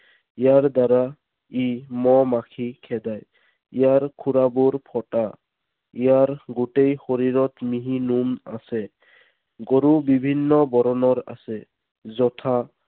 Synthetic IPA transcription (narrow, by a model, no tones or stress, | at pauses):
ijaɹdaɾa | imɔmakʰikʰɛdaj | ijaɹkʰuɹabuɹpʰɔta | ijaɹɡutejxoɹiɹɔtmiɦinuma̰sɛ | ɡoɹubibʱinːɔbɔɹɔnɔɹa̰sɛ | zɔtʰa